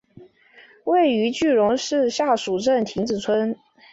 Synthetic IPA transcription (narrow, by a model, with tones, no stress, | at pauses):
we˥˩ɪy˧˥t͡ɕy˥˩ɻʊ˧˥ŋʂɻ̩˥˧ɕja˥˩ʂu˨˩ʈ͡ʂə˥˩nt̪ʰi˧˥ŋt͡sɹ̩˨˩t͡sʰwə˥n